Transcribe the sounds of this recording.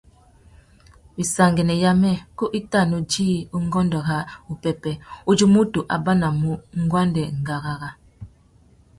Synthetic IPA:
bi˨sa˨ŋɡɛ˨nɛ˨ja˦mɛ˦ku˦ʔi˦ta˦˨nu˨d͡ʒiː˦u˦ŋɡɔ˦ndɔ˨ɣa˦u˨pɛ˨pɛ˨u˦d͡ʒu˦mu˦tu˨ʔa˨ba˦na˨mu˦ŋ˦ɡwa˦ndɛ˨ŋ˨ɡa˨ɣa˦ɣa˦

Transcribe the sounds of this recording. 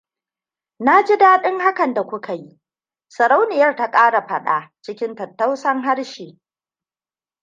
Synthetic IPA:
na˦d͡ʒi˦daː˦ɗɪ˦ŋha˦kɐ˨nda˨kʷʊ˦kʰa˨ji˦ | sɐ˨ɽa˦wnɪ˨jɐ˦rta˦kʼaː˦ɽa˨ɸɐ˦ɗa̰˨t͡ʃɪ˦kʲɪ˦ntɐ˨tːa˦wsɐ˦ŋɦa˦ɽʃiː˨

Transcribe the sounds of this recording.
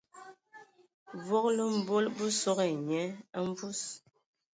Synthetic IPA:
vo˦klə˦m̩˦˨bo˦lbə˦so˦ɣe˨ɲɛ˨˦ə˦m˦vu˦s

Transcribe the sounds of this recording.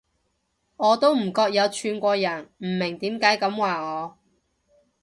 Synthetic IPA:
ŋɔː˨˧t̪o˥wm̩˨˩kɔː˧k̚jɐ˨˧wt͡ʃʰyː˨˧nkʷɔː˧jɐ˨˩nm̩˨˩mɪ˨˩ŋt̪iː˨˥mkaː˨˥jkɐ˨˧˥mwaː˨ŋɔː˨˧

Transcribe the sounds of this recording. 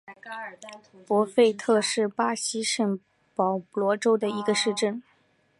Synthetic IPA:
pwɔ˧˥fe˥˧ɪt̪ʰɤ˥˧ʂɻ̩˥˩pa˥ɕi˧˥ʂə˨˩ŋ | pɑ˨˩ʊ˩lwɔ˧˥ʈ͡ʂo˥ʊd̪ə˨i˧˥ɡə˧ʂɻ̩˥˧ʈ͡ʂə˥˩n

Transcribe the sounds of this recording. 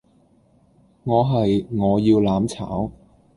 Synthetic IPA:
ŋɔː˨˧ɦɐ˨jŋɔː˨˧jiː˧wlaː˨˥mt͡sʰa̰ː˨˥w

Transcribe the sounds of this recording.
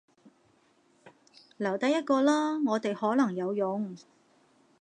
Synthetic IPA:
lɐ˨˩wt̪ɐ˨˥jɐ˥t̚kɔː˧lɔː˥ŋɔː˨˧t̪e˨jhɔː˨˥lɐ˨˩ŋjɐ˨˧wjʊ˨˧ŋ

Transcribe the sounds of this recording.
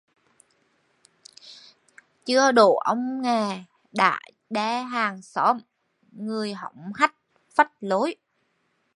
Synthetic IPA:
t͡ɕɨ˧əɗo̰˧˩ʔə˧wŋ͡mŋaː˨˩ | ɗa̰ː˧˨j | ɗaː˧ɦaː˨˩ŋsɔ˨˦m | ŋɨ˨˩əjɦə̰˧˩wŋ͡mha˦˥jk̚ | fə˦˥t̚lo˨˦j

